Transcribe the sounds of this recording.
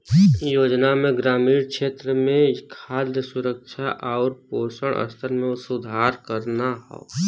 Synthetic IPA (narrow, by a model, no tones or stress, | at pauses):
joːd͡ʒnamẽɡɾaːmiːɾkʃeːt̪ɾəmẽkʰaːljəsʊɾəkʃʰaʔaːɾpoːsəɽ̃ʔə̰st̪ʰəɾmẽʊsʊd̪ʱaːɾkəɾnaɦɔ̰ː